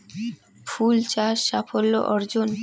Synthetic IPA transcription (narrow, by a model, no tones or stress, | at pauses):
fult͡ɕaʃːapʰolːo̰ʔɔɾd͡ʑon